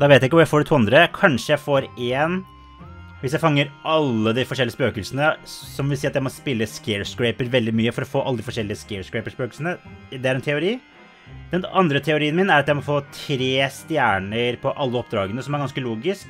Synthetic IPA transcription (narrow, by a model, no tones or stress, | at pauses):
d̪ɑʋeɪt̪jæɪkːəʋɾjæɪfoːɖɪt̪ʰuːɑnd̪ɾəkʰɑnʂəjæɪfoːɾeːn | ʋɪsjæɪfɑŋːəɾʔɑlːəd̪ɪfɔʂɛlɪəspøːkəlsənəsɔmʋɪlsiːɑt̪jæɪmɔspɪlːəskɛɹskɾæɪpəɾʋɛld̪ɪmyːəfɔɾɔfoːʔɑlːəd̪ɪfɔʂɛlːɪəskɛːɹskɹæɪpəʂpøːkəlsənəd̪ɛæɾɛnt̪ʰɛʊɾiː | d̪̥ɛnɑnd̪ɾət̪ʰɛʊɾiːənmɪnæɾɑt̪jæɪmɔfoːt̪ʰɾeːst̪jæːɳəɾpʰɔʔɑlːəɔp̚ːd̪ɾɑːɡənəsɔmæɾɡɑnskəluːɡɪsk